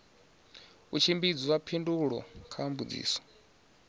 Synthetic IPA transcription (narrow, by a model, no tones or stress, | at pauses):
ut͡ʃʰimbid͡ziwapʰinduɺɔ̰kʰaambud͡zḭːsɔ̥